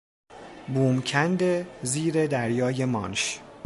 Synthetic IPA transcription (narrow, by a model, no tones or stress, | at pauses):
buːmcʰænd̪eziːɾe̞d̪æɾjɒːje̞mɒ̰ːnʃ